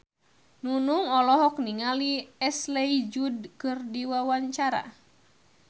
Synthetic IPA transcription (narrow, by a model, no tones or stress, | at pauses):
nunuŋɔlɔɦɔkniŋaliɛslɛid͡ʒudkɨrdiwawaɲt͡ʃaɾa̰